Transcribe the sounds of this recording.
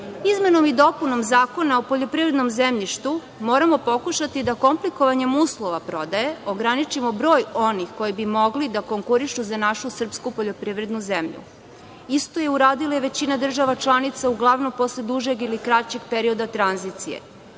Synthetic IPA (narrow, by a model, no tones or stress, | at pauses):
izme̞no̞mid̪o̞puno̞mzaːko̞naopo̞ʎo̞pɾiːvɾed̪no̞mzemʎiʃt̪u | mo̞ːɾamo̞po̞kuʃat̪id̪ako̞mpliko̞ʋaɲe̞muːslˠo̞ʋapɾo̞d̪aje̞o̞ɡɾanit͡ʃimo̞bɾo̞ːjo̞nixko̞jibimo̞ɡlid̪ako̞ŋkuɾiʃuzanaʃusr̩pskupoʎo̞pɾiːʋɾe̞d̪nuzemʎṵ | ist̪o̞je̞uɾaːd̪ilˠajeʋe̞t͡ɕinad̪r̩ʒaʋat͡ʃlˠanit̪sauɡlˠaʋnompo̞sled̪uʒe̞ɡilikɾat͡ɕe̞ɡpe̞ɾio̞d̪at̪ɾanzit̪sijḛ